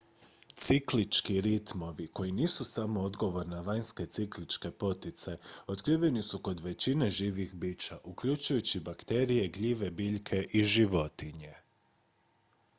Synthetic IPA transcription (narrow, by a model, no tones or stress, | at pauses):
t̪siklit͡ʃkiɾit̪mo̞ʋiko̞jiniːsusamo̞od̪ɡo̞ʋo̞ɾnaʋaɲske̞t̪siklit͡ʃke̞po̞t̪it̪se̞o̞t̪kɾiːʋe̞nisuko̞d̪ʋe̞t͡ɕine̞ʒiːʋixbit͡ʃaʔukʎut͡ʃujut͡ɕibakt̪e̞ɾije̞ɡʎiʋe̞biʎkʰe̞ʔiʒiʋo̞t̪iɲe̞